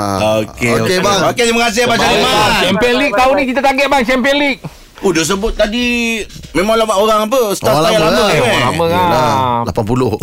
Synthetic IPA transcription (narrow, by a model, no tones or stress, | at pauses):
okekebaoket̪imaəkas̬ɪhbat͡ʃaiat͡ʃɛmpənlik̚t̪aunikit̪at̪aŋɡɛʔ̚baŋt͡ʃɛmpiəlik̚ | udos̬əbʊt̪̚t̪adimẽmãŋlabaʔoɾaŋap̬əsə̥aajalaəaelaməkaalapanpulʊh